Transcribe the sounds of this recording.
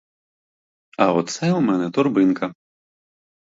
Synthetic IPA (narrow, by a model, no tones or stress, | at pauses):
ɐɔt̪sɛumɛnɛt̪ɔrbɨnkɐ